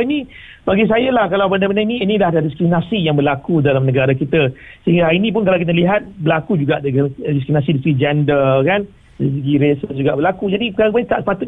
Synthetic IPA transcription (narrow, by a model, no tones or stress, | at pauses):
inĩ | baɡis̬ajalahkalawbəndabəndainiːnilahdadiskɾimnasijaŋbəlakudalamnə̃ɡaɾakit̪əsəɦĩŋɡaainĩp̬ʊnk̬alawkit̪əliɦat̪̚bəlakud͡ʒuɡaʔddiskɾiminas̬idist̪ɡid͡ʒɛndəkan | dis̬əɡiɾesəsd͡ʒuɡaʔbəlakud͡ʒadipkapait̪aʔsə̥pat̪ʊt̪